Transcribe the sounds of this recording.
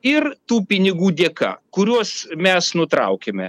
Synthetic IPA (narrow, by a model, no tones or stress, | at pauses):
ɪrt̪uːpʲɪnʲɪɡuːd̪ʲeːkɐ̰kʊɾʲuɔsmʲɛsnʊt̪ɾɐ̰ʊkʲɛmʲɛ